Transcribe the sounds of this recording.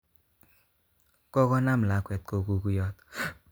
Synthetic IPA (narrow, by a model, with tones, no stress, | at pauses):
kɔ˦kɔ˦na˦m˨la˨˦kwɛ˨t̪̚ko˨ku˨ku˦jɔ˦t̪